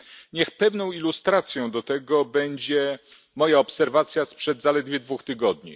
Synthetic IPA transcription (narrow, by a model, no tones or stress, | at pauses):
ɲɛxpɛvnɔ̃w̃ilust̪ɾat̪sʲjɔ̃w̃d̪ɔt̪ɛɡɔbɛɲd͡ʑɛ | mɔjaɔpsɛɾvat̪sʲjaspʂɛd̪zalɛd̪vʲjɛd̪vuxt̪ɘɡɔd̪ɲḭ